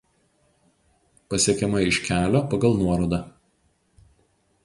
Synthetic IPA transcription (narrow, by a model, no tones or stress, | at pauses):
pɐsʲiɛkʲɛmɐɪɪʃʲkʲæːlʲoːpɐɡɐlˠnuɔɾoːd̪ɑːˑ